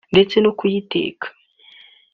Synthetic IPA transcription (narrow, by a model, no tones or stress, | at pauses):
ndet͡senokujitḛːkʰḁ